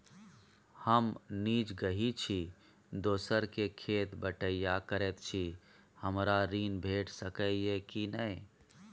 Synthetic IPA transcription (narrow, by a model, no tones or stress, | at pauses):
həmniːt͡ʃɡəɦit͡ʃʰi | d̪oːsəɾkekʰeːt̪bəʈəijakəɾɛt̪t͡ʃʰi | həmɾaɾiːnbʱeːʈsəkəjekinəi